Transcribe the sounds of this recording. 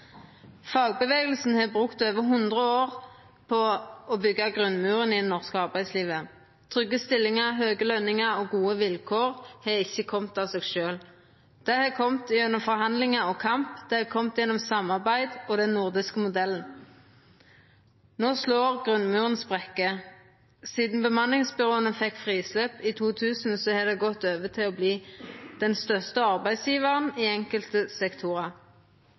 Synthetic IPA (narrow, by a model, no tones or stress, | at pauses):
fɑːɡ̚bəʋeːɡəlsn̩heːbʁʉkt̪øːʋəɦʉnd̪ʁəoːʁ | pʰɔɔbʏɡːɑɡʁʉnmʉːʁənɪnːɔʁskəɑʁbæɪd̪sliːʋə | t̪ʰʁʏɡːəst̪ɪlːɪŋəʁɦøːɡəlœnːɪŋəʁoːɡuːəʋɪlkʰoːʁheːɪçːəkʰɔmt̪ɑːʋseːɡʃøːl | d̪̥ɛhɛkʰɔmt̪ʉnːɔmfɔʁhɑnd̪lɪŋɑɔkʰɑmpd̪̥ɛhɛkʰɔmt̪jɛnːɔmsɑmːɑʁbæɪd̪ɔd̪ɛnnʊʁd̪ɪskəmʊd̪ɛln̩ | noːsloːʁɡʁʉnmʉːʁənsbʁɛkːə | siːd̪n̩bəmɑnlɪŋsbʏʁoːənəfɛkːfʁiːsløːpiːt̪ʰuːt̪ʰʉːsn̩sɔhɛːd̪ɛɡɔt̪ːøːʋət̪ʰɪlɔbliːd̪̥ɛnst̪œʁst̪əɑʁbæɪd̪sjiːʋəʁəniːɛŋkəlt̪əsɛkt̪ʰuʁɑ